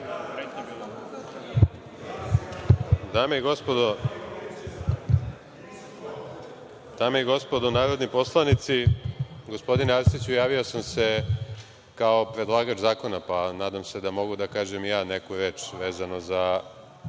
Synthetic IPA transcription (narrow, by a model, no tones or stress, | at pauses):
d̪aːmeiɡo̞spod̪o | d̪̥aːmeiɡo̞spo̞d̪onaːɾod̪nipo̞slˠanit̪siɡospo̞d̪inaɾst̪it͡ɕujaːʋiosamse̞ | kao̞pɾe̞d̪lˠaːɡat͡ʃzaːko̞napanaːd̪amse̞d̪amo̞ɡud̪akaːʒemjaːnekuɾeːt͡ʃʋeːzanoza